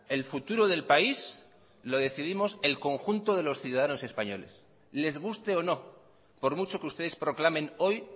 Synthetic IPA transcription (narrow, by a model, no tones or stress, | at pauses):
e̞lfut̪uɾoðe̞lpais | lo̞ðe̞θiðimo̞selko̞ŋxunt̪oðe̞losθjuðaðano̞se̞spaɲo̞le̞̰s | le̞zɣ̞ust̪e̞o̞no̞ | po̞ɾmut͡ʃo̞keust̪e̞ð̞espɾo̞klamẽ̞no̞j